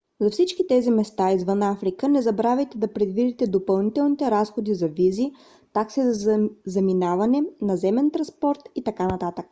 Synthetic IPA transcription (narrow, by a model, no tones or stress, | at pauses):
zɐfsit͡ʃkit̪ɛzimɛst̪aizvɤnafɾikənɛzɐbɾavʲɛjt̪ɛd̪ɐpɾɛd̪vid̪it̪ɛd̪opɐlˠnit̪ɛlˠnit̪ɛɾasxod̪izɐvizi | t̪aksizɐzɐminavɐnɛnɐzɛmɛnt̪ɾɐspɔɾt̪it̪ɐkanɐt̪at̪ək